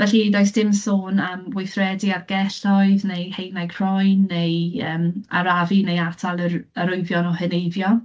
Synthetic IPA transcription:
vɛɬidoɨsd̥ɪmsɔnəmwɪjθrɛdiarɡ̥ɛɬɔɨðnejhejnajɡʰr̥ɔjnːejəːmaɾavinejatʰalˠəəɾʊɨvjɔnɔhɨnejvjɔ

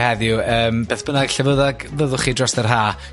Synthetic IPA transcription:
hɛðjʊəːmb̥eːθb̥ənaɡ̥ɬɛvəðaɡvəðʊχiːdrɔstərɦaː

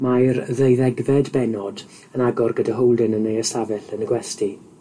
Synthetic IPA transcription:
majrðejðɛɡvɛdbɛnɔd | ənaɡɔrɡədaɦowlˠdənənejəsavɛɬənəɡwɛsti

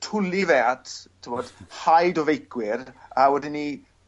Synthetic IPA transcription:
tʰʊlivɛattʰɪmɔd̥hajdɔvejkwɪrawɛdɪni

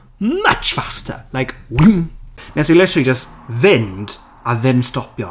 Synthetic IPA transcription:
mʌt͡ʃfastʰə̰laɪkwinnɛslɪtəɹəlid͡ʒəstvɪ̃nd | əðɛ̃mstɔpjɔ̰

